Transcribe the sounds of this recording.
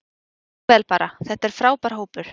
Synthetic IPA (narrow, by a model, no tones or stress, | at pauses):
ɛːlpaːɾaθɛht̪ɛɾ̥fɾaːwpaɾ̥ɦoːwpʏɾ̥